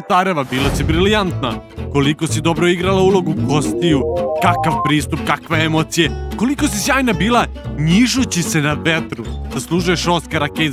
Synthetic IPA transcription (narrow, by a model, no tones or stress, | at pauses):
t̪aɾeʋabiːlasibɾilijant̪nako̞likosid̪o̞bɾoiɡɾalaulˠo̞ɡuɡo̞st̪ijukakaʋpɾiːst̪up̚kakʋeemot̪sijeko̞likosisjaːjnabiːlˠaɲiʒut͡ɕise̞naʋet̪ɾuz̥aslˠuːʒujeʃoskaɾake